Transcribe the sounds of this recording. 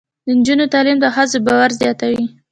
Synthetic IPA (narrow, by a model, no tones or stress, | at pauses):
d̪ənd͡ʒunot̪ɑlimd̪əxazobɑwaɾzjɑt̪awi